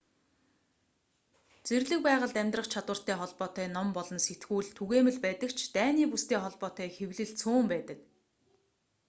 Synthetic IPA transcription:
t͡serɮɘ̆k̚pæːʁə̆ɮt̪æmʲt̪rə̆χt͡ɕʰat̪wə̆r̥t̪æːχɔɮpɔːt̪œːnɔmpɔɮɞ̆nset̪xuːɮt̪ʰuɣeːmɘ̆ɮpæːt̪ə̆kt͡ɕʰt̪æːniːpust̪eːχɔɮpɔːt̪œːxewɮɘ̆ɮt͡sʰuːmpæːt̪ə̆k

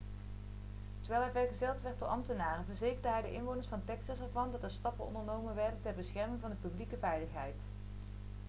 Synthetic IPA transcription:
tɔʋɛːlˠɦɛjvɛɹχəzɛlˠtʋɛɹtdʊːɹʔɑmtənaːrənvəɹzejkəɹdəɦɛjdəʔɪnʋownəɹsfɑntɛksɑs̬ɛɹvɑndɑtɛɹstɑpənɔ̰ndəɹnowmənʋɛɹdəntɛɹbəsχɛɹmɪŋvɑndəpyblikəvɛjləχɦɛjt

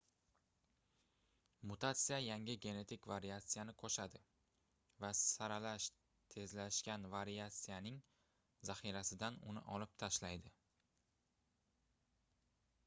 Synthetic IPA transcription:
mʊt̪ʰat̪sɨjajaŋʲɪɡʲe̞ne̞t̪ʰɪkʲvaɾijat̪sɨjanɪkʰɒʃad̪ɪ | vasaɾalaʃ | t̪ʰe̞zlaʃkʲanvaɾiat̪sijanɪŋ | zaχiɾasɪd̪anʊ̰nɪ̰ʔɒlɪp̚t̪ʰaʃlajd̪ɪ

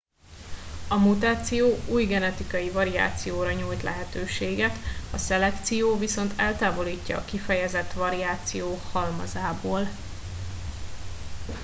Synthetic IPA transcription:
ɒmut̪aːt̪sijoːuːjɡɛnɛt̪ikɒjivɒɾia̰ːt̪sijoːɾɒɲuːjt̪lɛ̰ɦɛt̪øːʃeːɡɛt̪ɒsɛlɛkt̪sijoːviso̞nt̪ʰɛlt̪aːvo̞liːcːɒ̰ːkifɛjɛzɛt̪ːʋɒɾiaːt̪sijoːhɒlmɒzaːboːl

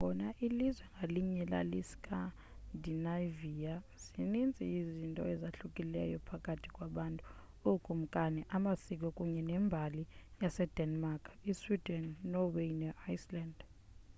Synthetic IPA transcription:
ɔnaʔilizwɛŋɡʱaliɲɛla̰liskʼa | dinajviaz̥inind͡zʱiizintʼɔ̰ɛzaɬukʼilɛ̰jɔpʰakʼatʰikʼwaɓantʼu | ukʼum̩kʼanɛʔamasik̬ʼɔkʼuɲɛnɛmbʱalijasɛd̥ʱɛnmakʰiswid̥ʱɛnːɔwenɛajsland

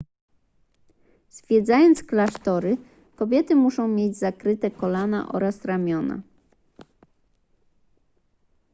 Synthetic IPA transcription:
z̥fʲjɛd̪zajɔnt̪sklaʂt̪ɔɾɘ | kɔbʲjɛt̪ɘmuʂɔ̃w̃mʲjed͡ʑzakɾɘt̪ɛkɔlana̰ʔɔ̰ɾasɾamʲjɔna̰

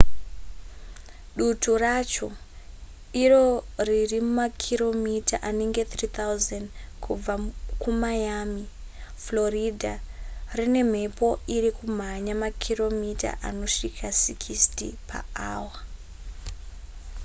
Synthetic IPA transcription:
ɗutʰurat͡ʃo̞ | iro̞ririmumakʰiɾo̞mitʰa̰ʔaneŋɡe̞t̪riːt̪auzan | kʰub͡vakumajami | flo̞ridʱarine̞m̤epo̞iɾikum̤aɲamakʰiro̞mita̰ʔano̞ʂikʰasikʰistḭpʰa̰aːwa

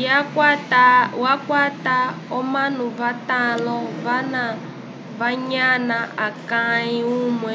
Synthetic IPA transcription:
jaawakwata | ɔmanũvatãlɔvana | vaɲanaakãiumɛ

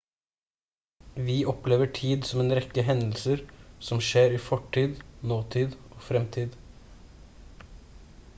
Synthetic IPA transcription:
ʋiːʔɔpleːʋəʈʰiːd̪sɔmeːnɾɛkːəɦɛnəl̩səɾsɔmʃeːɾiːfɔʈʰːiːd̪noːt̪ʰiːd̪oːfɾɛmt̪ʰiːd̪

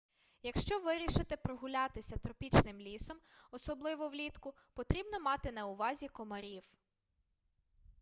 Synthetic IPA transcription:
jɐkʃt͡ʃɔʋɪɾʲiʃɪt̪ɪpɾɔɦʊlʲɑt̪ɪsʲɐt̪ɾɔpʲit͡ʃnɪmlʲisɔmɔsɔblˠɪʋɔʋlʲit̪kʊ | pɔt̪ɾʲibnɔmɑt̪ɪnɐʊʋɑzʲikɔmɐɾʲiw

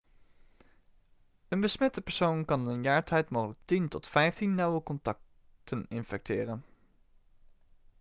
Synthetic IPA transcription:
ənbəsmɛtəpəɹsownkɑnənjaːɹtʰɛjtmowχlək̚tintɔtfɛjftinːɑwəkɔntɑk̚ | tʰənɪnfɛk̚tɪːrən

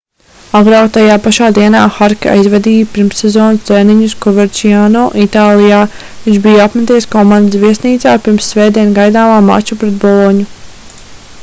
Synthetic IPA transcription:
aɡɾawkt̪ajaːpaʃaːd̪iɛnaːxaɾka̰jzvɛd̪iːjəpiɾmsːɛzɔːnst̪eːniɲuskɔvɛɾt͡ʃiaːnoːʔit̪aːlˠijaː | viɲt͡ʃbijapmɛt̪iːjskɔwmãnd̪zviɛsniːt̪saːpiɾmsːvɛːd̪iɛnɡajd̪aːvaːma̰t͡ʃupɾɛt̪̚bɔlˠɔɲu

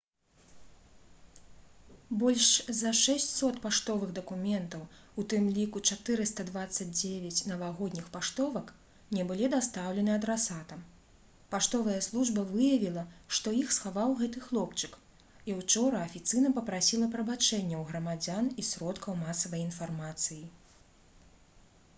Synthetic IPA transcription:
bɔlʲʂzɐʂɛsʲt͡sʲsɔt̪paʂt̪ɔvɨɣd̪ɐkumʲɛnt̪ɐwut̪ɨmlʲikut͡ʂat̪ɨɾɨst̪ɐd̪vat̪sːɐd͡zʲd͡zʲevʲɐt͡sʲnɐvaɣɔd̪nʲixpaʂt̪ɔvɐk | nʲɛbɨlʲid̪ast̪awlʲɛnɨɐd̪ɾasat̪ɐm | paʂt̪ɔvɐjɐslˠuʐbɐvɨjɐvʲilˠɐʂt̪ɔjixsxavawɣɛt̪ɨxlˠɔpt͡ʂɨk | iwt͡ʂɔɾɐːfʲit̪sɨjnɐpɐpɾasʲilˠɐpɾɐbat͡ʂɛnʲːɐwɣɾɐmad͡zʲanisɾɔt̪kɐwmasɐvɐjin̪farmat̪sɨji

